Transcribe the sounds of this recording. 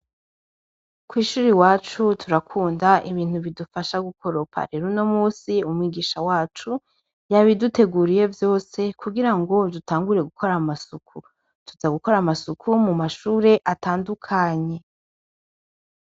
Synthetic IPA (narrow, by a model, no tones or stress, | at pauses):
kwiːʃuːɾiwaːt͡ʃutʰuɾakʰuːndaʔiβiːn̥huβidufaʃaɡukʰo̞ɾopʰa̰ɾeɾuno̞muːsiumwiɡiːʃawaːt͡ʃu | jaβidute̞ɡuɾije̞vjo̞ːse̞kuɡiɾaŋɡo̞dutaːŋɡuɾiɾe̞ɡukʰo̞ɾamasukʰu | tuzaɡuko̞ɾamasukʰumumaʃuːɾe̞ʔataːndukʰaɲe̞